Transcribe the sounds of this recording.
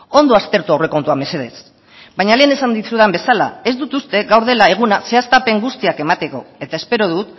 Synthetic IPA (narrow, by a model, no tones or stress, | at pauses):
o̞nd̪o̞ast̪e̞ɾt̪uawre̞ko̞nt̪uame̞se̞ðe̞s | baɲale̞ːne̞sand̪isuðeambe̞sala̰e̞zd̪ut̪ust̪e̞ɡawɾð̞e̞lae̞ɣ̞unase̞ast̪ape̞ŋɡust̪iake̞mat̪e̞ko̞̰e̞t̪ae̞spe̞ɾo̞ð̞ut̪